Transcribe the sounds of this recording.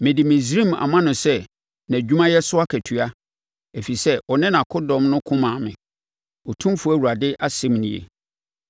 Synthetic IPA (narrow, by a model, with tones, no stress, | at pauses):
mɪ̃˨dɪ˨mɪ̃˨z̬ɾĩ˦˨ma̰˨mã˦nʊ̃˨sɛ˦ | nã˨d͡ʑᶣu˦mã˦jɛ˦sʊ˦a˦kʰæ˨tʰy˨a˦ | æ˨fi˨sɛ˦ʔɔ˨nɪ̃˦nã˨kʰʊ˦dɔ̃˨mnʊ̃˦kʰʊ̃˦mãː˨mɪ̰̃˨ | ɔ˨tʰũ˦mfʊ˨˦æ˦˨wu˨ɾa˨dɪ˦ʔa˦sɪ̃˦mnɪ̃˨jḛ˨